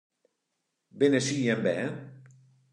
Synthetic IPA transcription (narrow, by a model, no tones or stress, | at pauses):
benesijembɛ